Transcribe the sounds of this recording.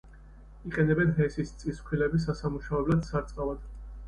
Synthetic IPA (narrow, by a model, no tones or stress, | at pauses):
iqʼɛnɛbɛnɦɛsist̪sʼispʰilɛbis̬asamuʃavɛblad̪saɾt̪sʼqʼavad̪̥